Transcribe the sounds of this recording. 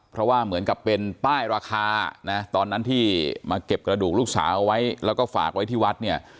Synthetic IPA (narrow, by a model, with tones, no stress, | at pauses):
pʰɾɔ˦˥waː˥˩mɯ˩˦ənka˨˩pːe˧nt̪aː˥˩jɾaː˧kʰaː˧na˦˥t̪ɔː˧nːa˦˥nt̪ʰiː˥˩maː˧ke˨˩p̚kɾa˧duː˨˩k̚luː˥˩k̚sa̰ː˩˦wʔa˧wa˦˥jlɛː˦˥wkɔː˥˩fa̰ː˨˩k̚wa˦˥jt̪ʰiː˥˩wa˦˥t̪̚ni˥˩ɐ